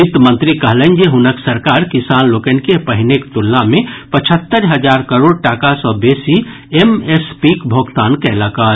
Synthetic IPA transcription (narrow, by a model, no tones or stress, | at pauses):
ɪt̪mə̃nt̪ɾikəɦlənd͡ʒeɦʊnəksəɾkaːɾkɪsaːnloːkənkepəɦɪnekt̪ulːamẽpət͡ʃʰət̪ːəɾɦəd͡ʒaːɾkəɾoːɽ̚ʈaːkasɔːbeːsi | emespiːkbʱoːɡt̪aːnkɛlaka